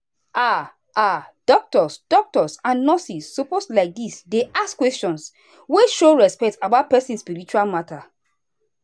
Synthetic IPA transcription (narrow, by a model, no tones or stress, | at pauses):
ʔa | ʔad̥ɔk̚tɔsd̥ɔk̚tɔsãnnɔsisːopostlaɪk̚disdeʔaskwɛst͡ʃɔ̃ns | weʃoɹɛspɛk̚tabaʊt̚pɛsĩnspiɹit͡ʃualmatʰa